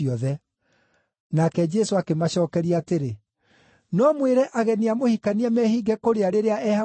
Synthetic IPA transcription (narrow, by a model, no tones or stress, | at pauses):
iɔðɛ | nakɛd͡ʒɛsoakemaɕɔːkɛɾiaːteɾe | nɔmweɾɛʔaɣɛniamohikaniɛmɛhiːɡɛkoɾeaɾeɾeaʔɛha